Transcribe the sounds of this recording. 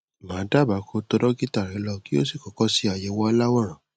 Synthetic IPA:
mãː˨˦da˦ba˨˦kʰo˧to˧dɔ˦ki˦ta˦˨ɾɛ˨˦lɔ˧ki˦o˦si˦˨kɔ˨˦kɔ˦si˦a˨jɛ˨˦wɔ˧la˦wɔ˦˨ɾ̃ã˨

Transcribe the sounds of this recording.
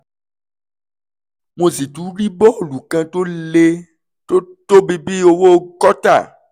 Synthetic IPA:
mõ˨zi˨t̪u˨˦ɾi˦bɔ˦˨lu˨kã˦t̪o˦le˦ | to˦t̪o˦bi˦bi˦wo˦wo˦kɔ˦t̪a̰˦˨

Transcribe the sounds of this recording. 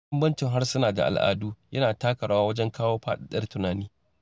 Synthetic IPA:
bɐ˦mbɐ˦nt͡ʃɪ˨ŋɦa˦rsʊ˦naː˨da̰˨ʔa̰˨lʔa̰ː˨duː˦jɐ˦naː˨taː˦kɐ˨ɽaː˦waː˦wɐ˦d͡ʒɛ˦ŋkaː˦woː˦ɸaː˦ɗa˦˨ɗɐ˦rtʊ˦naː˨niː˦

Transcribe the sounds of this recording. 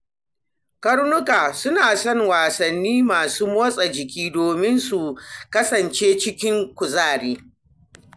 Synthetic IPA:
kɐ˦ɽnʊ˦kaː˨sʊ˦naː˨sɔ˦ŋwaː˨sɐ˨nːiː˦maː˨suː˦mɔː˦sʼɐ˨d͡ʒɪ˨kʲiː˦doː˨mɪ˦nsu˨kɐ˦sɐ˨nt͡ʃeː˦t͡ʃɪ˦kʲɪ˦ŋkʷʊ˨zaː˦˨ɽiː˦

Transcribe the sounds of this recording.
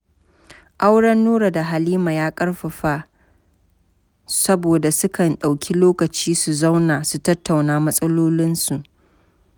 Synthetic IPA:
ʔa˦wɽɐ˦nːuː˦ɽa˨da˨ɦa˨liː˦maː˨jaː˦kʼɐ˦ɽɸɐ˨ɸa˦ | sɐ˦boː˨da˨sʊ˦kʰɐ˨nɗa˨wkʲʰi˦loː˦kɐ˨t͡ʃiː˦su˨za˦wnaː˨su˨tɐ˦tʰːa˨wnaː˦mɐ˦sʼɐ˦loː˦lɪ˦nsu˨ʔ

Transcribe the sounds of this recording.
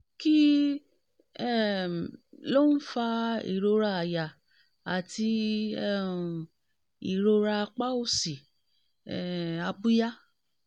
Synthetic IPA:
ki˦ | ɛ˦˨lo˦n̩˦fa˧ḭ˨ɾo˧ɾa˧a˨ja˨ | a˨ti˧ɛ˦˨ | i˨ɾo˧ɾa˧k͡pa˦o˧si˨ | ɛ˨a˧bu˦ja˦

